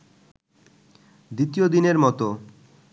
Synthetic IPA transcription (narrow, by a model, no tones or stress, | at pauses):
d̪it̪ijod̪ineɾmɔt̪o